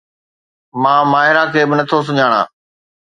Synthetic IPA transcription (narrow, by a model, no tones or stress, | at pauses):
mãːmaːɦɪɾakʰeːbɪnɐt̪ʰos̬ʊɲaːɽ̃a̰ː